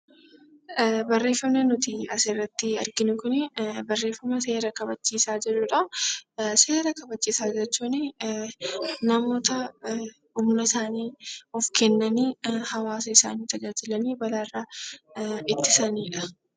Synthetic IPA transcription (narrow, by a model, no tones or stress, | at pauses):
bɐrːe̞ːfːɐmnenʊt̪iɐsɪrːɐt̪ːɪɐ̰ɾɡɪnʊkʊnɪbɐrːe̞ːfːɐmɐse̞ːɾɐkɐbɐt͡ʃːiːsaːd͡ʒɛᶑʊᶑɐ | se̞ːɾɐkɐbɐt͡ʃːiːsaːd͡ʒɛt͡ʃːuːnɪ | nɐmo̞ːt̪ɐ | ʊmnɐsaːniːɔfkɛnːɐniːhɐwaːsɐɪsa̰ːniːt̪ɐd͡ʒaːd͡ʒɪlɐniːbɐlaːraː | ɪt̪ːɪsɐniːᶑɐ̥